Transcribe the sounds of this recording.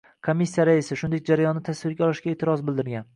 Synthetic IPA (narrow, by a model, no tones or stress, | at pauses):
kʰomːisːijaɾaɪsɪʃʊnd̪ek̚ʲd͡ʒaɾajɒnːɪt̪ʰasvɪɾɡʲaɒlˠɪʃɡʲaet̪ʰɪɾɒzbɪld̪ɪɾɡʲan